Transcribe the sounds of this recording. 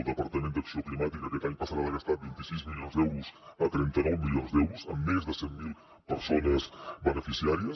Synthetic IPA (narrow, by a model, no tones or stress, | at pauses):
lˠd̪əpəɾt̪əmend̪əksioklimat̪ikəkɛt̪aɲpəsəɾaðəɣəst̪at̪̚bint̪isizmilionzd̪ɛwɾuzət̪ɾɛnt̪ənɔwmilionzd̪ɛwɾuzə̰mːezðəsɛmːilˠ | pəɾsonəzbənəfisiaɾiə